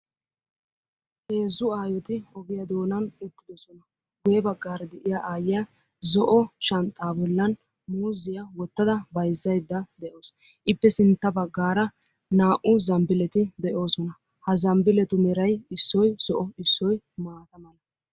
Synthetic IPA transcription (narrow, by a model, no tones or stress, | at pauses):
he̞ːzːʊaːjɔt̪ɪɔɡɪjɐd̪o̞ːnɐnʊt̪ːɪd̪ɔsɔnɐ | ɡʊjɛbɐɡːaːɾɐd̪ɛʔɪjaʔaːjɪja | zɔʔɔt͡ʃɐnt̪ʼːaːbɔlːɐn | muːzɪjɐwɔt̪ːɐd̪ɐbɐjzːɐjd̪ːɐd̪ɛʔoːs | ʔɪpːɛsɪnt̪ːɐbɐɡːaːɾɐ | naːʔʊzɐmbɪlɛt̪ɪd̪ɛʔo̞ːsɔnɐ | hɐzɐmbɪlɛt̪ʊmɛɾɐjɪsːɔjz̥ɔʔɔɪsːɔj | maːt̪ɐmɐlɐ